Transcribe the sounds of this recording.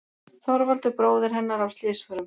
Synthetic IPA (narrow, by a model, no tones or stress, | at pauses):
θɔɾvalt̪ʏpɾoːwðɪɾ̥ɦɛnːaɾawst̪lɪːsfœːɾʏm